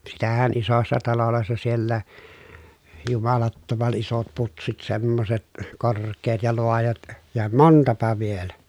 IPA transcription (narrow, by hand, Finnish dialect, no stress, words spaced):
sitæhæn isosːɑ tɑloloˑesːɑ sielːæː jumɑlɑtːomɑn isot putsit semːoset korˑkˑeːt jɑ loɑjɑt jɑ montɑpɑ ʋielæ